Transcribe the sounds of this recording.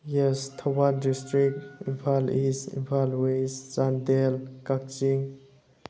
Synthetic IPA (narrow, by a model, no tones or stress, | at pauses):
jɛst̪ʰawandistɾik̚ḭnpʰalisḭnpʰalweszandelkak̚t͡ʃiŋ